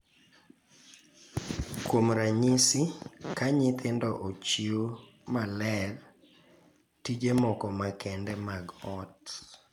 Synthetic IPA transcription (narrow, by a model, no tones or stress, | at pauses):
kwomɾaɲisɪkaɲɪt̪ʰɪndɔʔot͡ʃio | malɛr | tid͡ʒemɔkɔmakʰɛndɛmaɡɔt